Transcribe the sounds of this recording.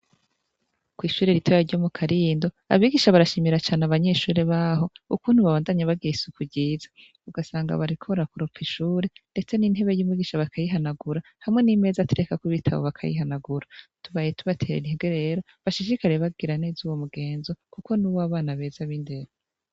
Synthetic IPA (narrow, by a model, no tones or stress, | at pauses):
kwiːʃuːɾe̞ɾitʰojaɾɟo̞mukʰaɾiːndo̞ | a̰βiːɡiʃaβaɾaʃiːmiɾat͡ʃaːneaβaɲe̞ʃuːɾeβaɦo̞ukuːnhuβaβaːndaɲeβaɡiɾisukuɟiːzḁ | uɡasaːŋɡa̰βaɾikʰoɾakuɾopp͡fiʃuːɾe̞nde̞t͡se̞nin̥he̞βe̞juːmiːɡiʃaβakʰajiɦanaɡuɾa | hamŋe̞nime̞zatuɾe̞kakuβitʰaβo̰βakʰa̰jḭɦanaɡuɾatuβajetuβatʰeːɾenihiɡweɾe̞ɾo̞ | βaʃiʃikaɾeβaɡiɾaneːzuːwo̞muɡe̞ːnzo̞kukonuβaβaːnaβe̞ːzaβinde̞ɾ